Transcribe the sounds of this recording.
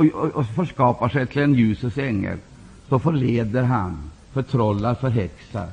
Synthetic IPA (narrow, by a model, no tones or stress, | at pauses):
ɔfɔʂkɑːpaʂɛjt̪ʰɪlɛnjʉːsəsɛŋːə̰l | sɔfɔɭeːd̪əɾɦa̰n | fœʈ̪ʰɾɔlːaɾfœɾɦɛksa̰ɾ